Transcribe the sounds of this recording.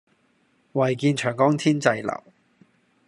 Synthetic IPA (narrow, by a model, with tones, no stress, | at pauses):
wɐ˨˩jkiː˧nt͡ʃʰœː˨˩ŋkɔː˥ŋt̪ʰiː˥nt͡sɐ˧jlɐ̰˨˩w